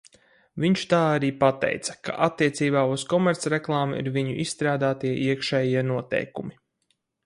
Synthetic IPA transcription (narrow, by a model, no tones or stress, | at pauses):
viɲt͡ʃt̪aːaɾiːpat̪ɛ̰jt̪sɐ̥ka̰ʔat̪ːiɛt̪siːbaːuskɔmɛɾt̪sɾɛklˠaːmuḭɾviɲṵʔissːt̪ɾaːd̪aːt̪iɛʔiɛkʃɛːjiɛnuɔt̪ɛ̰jkumi